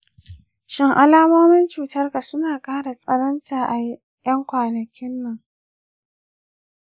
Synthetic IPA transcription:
ʃɪ˦ŋʔa˦laː˦moː˦mɪ˦nt͡ʃuː˨tɐ˦rka˨sʊ˦naː˨kʼaː˦ɽa˨sʼɐ˦nɐ˦ntaː˨ʔa˨˦ | jɐ˦ŋkʷaː˨nɐ˨kʲʰɪ˦nːɐ˨ŋ

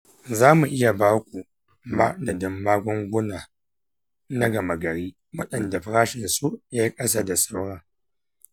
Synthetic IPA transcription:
zaː˦mu˨ʔɪ˦ja˨baː˦kʷʼu˨ | ma̰˦ʔdɐ˨dɪ˦mːaː˦ɡʷɔ˦ŋɡʷʊ˦naː˨ | na˦ɡɐ˨ma˨ɡɐ˨ɾiː˦ | wɐ˦ɗɐ˨nda˨ɸɾaː˦ʃɪ˨nsu˦ja˦ji˦kʼɐ˦sa˦da˨sa˦wɽa˦

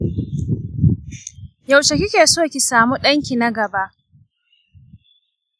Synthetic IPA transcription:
ja˨wt͡ʃe˨kʲɪ˦kʲeː˨soː˦kʲi˨saː˨mu˦ɗɐ˦ŋkʲi˨na˦ɡɐ˨ba˦ʔ

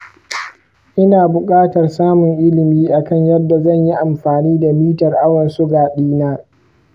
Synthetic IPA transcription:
ʔɪ˦naː˨bʊ˨kʼaː˦tɐ˨rsaː˦mʊ˨ŋʔɪ˦lɪ˨miː˦ʔa˨kɐ˦˨ɲjɐ˦dːa˨zɐ˦˨ɲji˦ʔa˨mɸaː˨niː˦da˨miː˦tɐ˨rʔa˦wɐ˨nsʊ˦ɡaː˨ɗiː˦naː˦

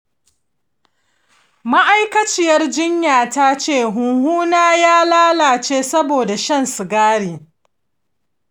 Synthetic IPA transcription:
ma˦ʔa˦jkɐ˦t͡ʃɪ˦jɐ˦rd͡ʒɪ˦ɲjaː˨ta˦t͡ʃeː˦˨ɦʊ˨ŋhuː˦naː˦jaː˦laː˦laː˨t͡ʃeː˦sɐ˦boː˨da˨ʃɐ˦nsu˨ɡaː˦ɽiː˨

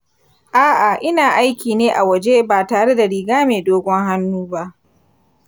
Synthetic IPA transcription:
ʔaː˦ʔa˨ʔɪ˦naː˨ʔa˦jkʲiː˨neː˦ʔa˨wɐ˨d͡ʒe˦baː˨taː˨ɽe˦da˨ɽiː˨ɡaː˦meː˨doː˦ɡʷɔ˦ŋɦa˦nːuː˦ba˦ʔ

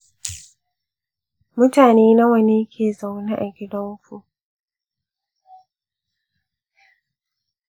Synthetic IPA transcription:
mʊ̃˦ta˨nĩ˨i˦nã˦wa˨nĩ˦kʰe˦˨za˨wnã˦ʔɛ˨ɡɪ˦dɔ̃˦m˦fo˦

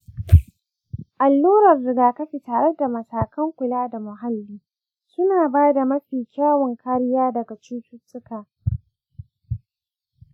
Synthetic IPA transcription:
ʔa˨lːuː˦ɾɐ˨rzʊ˨ɡaː˨kɐ˦ɸi˨taː˨ɾe˦da˨mɐ˨saː˨kɐ˦ŋkʷʊ˨laː˦da˨mʊ˨ɦa˦lːiː˦ | kʲɪ˦naː˨baː˦da˨mɐ˦ɸiː˨kʲaː˦wɐ˨ŋkʰa˦ɾɪ˦jaː˦dɐ˨ɡa˨t͡ʃuː˦tʊ˦tʼːʊ˦kaː˨

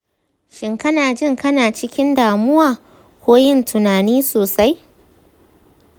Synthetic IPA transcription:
ʃɪ˨ŋkɐ˦naː˨d͡ʒɪ˦ŋkɐ˦naː˨t͡ʃɪ˦kʲɪ˦ndaː˨mʊ˦waː˨ | kʷoː˦jɪ˦ntʰʊ˨naː˨niː˦soː˨sa˦j

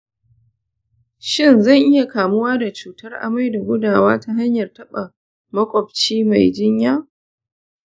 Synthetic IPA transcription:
ʃɪ˦nzɐ˦˨ŋʔɪ˦ja˨kaː˨mʊ˦waː˦da˨t͡ʃuː˨tɐ˦rʔa̰˨ma˦jda˨ɡʷʊ˦daː˨waː˦ta˦ɦa˦ɲjɐ˨rtɐ˦ɓa˨ | mɐ˦kʷʼɔ˨p̚t͡ʃiː˦ma˨jd͡ʒɪ˦ɲjaː˦

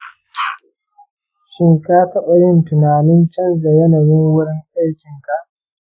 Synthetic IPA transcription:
ʃɪ˦ŋkaː˦tɐ˦ɓɐ˦ɽɪ˦ntʊ˨naː˨nɪ˦nt͡ʃɐ˦nza˨jɐ˦nɐ˨jɪ˦ŋwʊ˦ɽɪ˦ŋʔa˦jkʲɪ˨ŋka˨ʔ

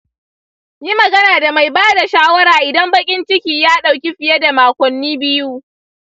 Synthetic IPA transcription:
ji˦mɐ˨ɡɐ˦naː˨da˨ma˨jbaː˦da˨ʃaː˦wɐ˦ɾaː˨ʔɪ˨dɐ˦mbɐ˦kʲʼɪ˦nt͡ʃɪ˦kʲiː˨jaː˦ɗa˨wkʲi˦ɸɪ˨ja˦da˨maː˨kʷɔ˨nːiː˦bɪ˦ju˦

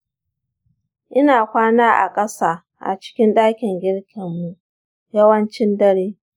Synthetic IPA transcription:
ʔɪ˦naː˨kʷaː˦naː˦ʔa̰˨kʼɐ˦saː˦˨ | ʔa̰˨t͡ʃɪ̥˦kʲɪ˦nɗaː˦kʲɪ˨ŋɡʲɪ˦ɽkʲʰɪ˨mːu˨ | jɐ˦wɐ˦nt͡ʃɪ˦ndɐ˦ɽeː˦

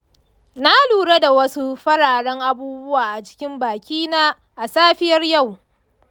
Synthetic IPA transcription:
na˦luː˨ɽe˦da˨wɐ˦su˦ɸɐ˦ɽaː˨ɽɐ˦ŋʔa˦buː˦bʊ˦waː˨ʔa˨t͡ʃɪ̥˦kʲɪ˦mbaː˨kʲiː˦naː˦ | ʔa˨saː˦ɸɪ˦jɐ˦rja˦˨w

